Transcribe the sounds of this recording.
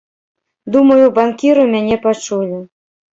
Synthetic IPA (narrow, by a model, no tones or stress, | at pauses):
d̪umɤjubɑnkʲiɾomʲænʲepɑt͡ʃulʲɘ̆